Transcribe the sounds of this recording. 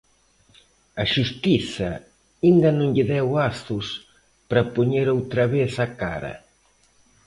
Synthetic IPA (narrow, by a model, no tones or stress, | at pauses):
ɐʃust̪iθɐ | ind̪ɐnõŋʎɪðɛwast̪ʊs | pɾɐpoɲeɾowt̪ɾɐβeθaka̰ɾɐ̰